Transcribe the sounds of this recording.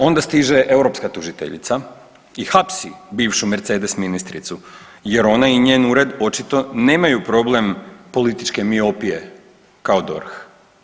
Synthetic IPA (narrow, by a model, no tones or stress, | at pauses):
o̞nd̪ast̪iʒe̞ʔe̞uɾo̞pskat̪uʒit̪ḛʎḭt̪sa | ixapsibiːʋʃumeɾt̪se̞ːd̪e̞sminist̪ɾḭt̪su | je̞ɾo̞naiɲeːnuɾe̞d̪o̞t͡ʃit̪o̞ne̞ːmajupɾo̞ble̞mpo̞lit̪it͡ʃke̞mio̞pije̞ | kaod̪o̞̰ɾx